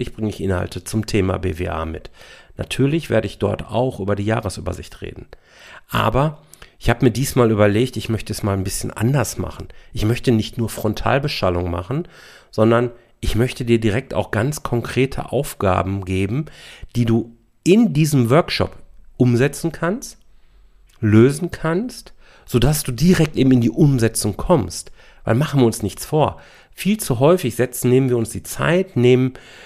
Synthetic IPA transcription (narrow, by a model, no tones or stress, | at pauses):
ɪçb̥ʁɪŋəɪçʔɪnha̰ltət͡sʊmtʰeːma̰bḛːvḛːʔa̰ːmɪtnatʰyːɐlɪçv̥ḛːɐɾəɪçd̥ɔ̰ɐta̰ʊxʔyːbɐdiːja̰ːʁəsʔy̰ːbɐ̰zɪ̰çtʁḛːdn̩ | ʔa̰ːbɐ | ʔɪçhaːbəmiːɐdiːsmaːlyːbɐleːktɪçmœçtəɛsmaːlnbɪsçənʔa̰ndɐsma̰χn̩ʔɪçmœçtənɪçtnuːɐfʁ̥ɔntʰa̰ːlbəʃtalʊŋma̰χn̩ | z̥ɔndɐn | ʔɪçmœçtədiːɐdiʁɛk̚ta̰ʊxɡ̥ant͡skʰɔŋkʁ̥eːtʰə̰ʔa̰ʊfɡ̥a̰ːbm̩ɡeːbm̩d̥iːduː | ʔɪndiːzəmvœɐkʃɔ̰pʔʊmzɛt͡sn̩kʰanst | løːzn̩kʰanst | z̥oːdasd̥uːdiʁɛk̚tʔeːbm̩ɪndiːʔʊmzɛt͡sʊŋkʰɔmst | vaɪlmaχn̩viːɐʊnsnɪçt͡sfoːɐ | fiːlt͡suɦɔʏfɪçz̥ɛt͡sn̩neːmənviːɐʊnsd̥iːt͡sa̰ɪtneːmən